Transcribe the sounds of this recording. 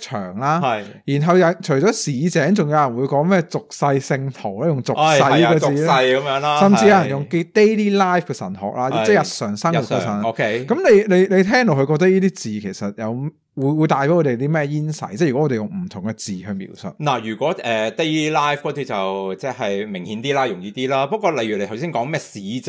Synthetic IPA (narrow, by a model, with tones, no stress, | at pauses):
t͡ʃʰœ̰ː˨˩ŋlaː˥˨jjiː˨˩nɦɐ˨wjɐ˨t͡ʃʰɵ˨˩jt͡sɔː˨˥siː˨˧˥t͡sɛː˨˥ŋt͡sʊ˨ŋjɐ˨˧wjɐ˨˩nwu˨˧jkɔː˨˧˥ŋmɛː˥t͡sʊ˨k̚sɐ˧jsɪ˧ŋt̪ʰo˨˩wlaː˥jʊ˨˩ŋt͡sʊ˨ksɐ˧jjkɛː˧˨iː˨˧ɐ˧jkɐ˨˧˦mjœː˨˥ŋlaː˧sɐ˨mt͡siː˧jɐ˧wjɐ˨njʊ˨ŋke˥t̪e˥jliː˥laː˥jfkɛː˧sɐ̰˨˩nɦɔ̰ː˨k̚laː˧ɛː˥˩jɐ˨t̚sœː˨˩ŋsɐ˥ŋ˨wu˨kːɛ˧˨˧sɐ˨˩no˧kʰkɐ˨˥mle˨˧jne˨˧jle˨˧jt̪ʰɛː˥ŋt̪o˨˩hɵ˧kɔ˧t̪ɐ˥jiː˥t̪iː˥t͡siː˨kʰe˨˩sɐ˨t̚jɐ˨˧w | wuː˨˧jwuː˨˧jt̪aː˧jpe˨˥jɔ˧ɾe˨t̪iː˥mɛː˥jiː˥nsɐ̰˧jt͡sɛː˥˩jy˨˩kɔ˦˥ɔː˨˧d̪e˨jʊ˨˧ŋm̩˨˩t̪ʰʊ˨˩ŋkɛ˧t͡siː˨hœ˧mḭː˨˩wsɵ̰˨˩t̚na˨˩jyː˨˩kʷɔː˨˥ɛː˨t̪e˥jli˥laː˥jfkɔː˨˥t͡sʰiː˧t͡sɐ˨wt͡sɛː˥˩hɐ˨jmɪ˨˩ŋhiː˨˥nt̪iː˥laː˥jʊ˨ŋjiː˧t̪iː˥laː˥pɐ˥kɔː˧lɐ˨jy˨˩le˧t̪ʰwsiː˥nkɔː˨˥ŋmɛː˥siː˨˧